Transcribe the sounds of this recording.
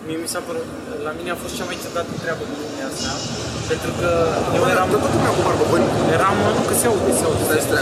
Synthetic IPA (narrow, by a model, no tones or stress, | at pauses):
miemisapəɾut̪ | lamine̞afo̞st̪t͡ʃamaj̪t͡ʃepd̪at̪ɨnt̪ɾeabəkulumast̪a | pe̞nt̪ɾukəjeeɾamt̪ok̪umakumaɾbəboɾʲjeɾamənuɡəseawɡəsaws